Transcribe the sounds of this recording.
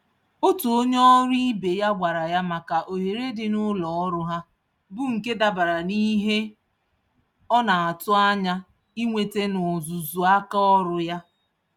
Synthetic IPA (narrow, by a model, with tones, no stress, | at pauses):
o˦tu˨o˦ɲ˦ɔ˦ɾi˦be˨ja˦ɡ͡bʷa˨ɾa˨ja˦ma˨ka˨ʔo˨ɦe˨ɾe˦dɪ˨nʊ˦lɔ˨ɔ˦ɾʊ˦ɦa˦ | bʊ˦ŋ̩˨ke˦da˨ba˨ɾa˨ni˦ɦe˦ | ɔ˦na˨a˨tʊ˦a˦ɲa˦ | i˦ŋʷe˨te˦nʊ˨zu˨zu˨a˦ka˦ɔ˦ɾʊ˦ja˦